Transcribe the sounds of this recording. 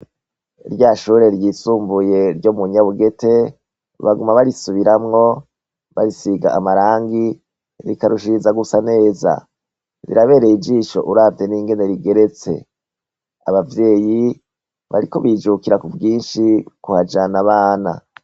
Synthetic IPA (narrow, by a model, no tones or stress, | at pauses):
ɾɟaʃuːɾe̞ɾjiːsuːmbuje̞ɾɟomuɲaβuɡe̞te̞ | βaɡumaβaɾisuβiɾamŋo̞ | βaɾisiɡa̰ʔːmaɾaːŋɡi | ɾikaɾuʃizaɡusane̞ːza̰ | ɾḭɾaβe̞ːɾeid͡ʒiːʃo̞̰ʔuɾaːteniːŋɡe̞ne̞ɾiɡe̞ɾe̞t͡se̞̰ | aβavje̞ːji | βa̰ɾiko̞βid͡ʒukiɾakubɡiːnʃikuhad͡ʒanaβaːna̰